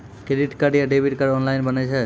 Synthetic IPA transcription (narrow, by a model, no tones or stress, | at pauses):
kɾeɖiʈkaɖijaɖebʱiʈkaɾɔnlajnbanet͡ɕʰe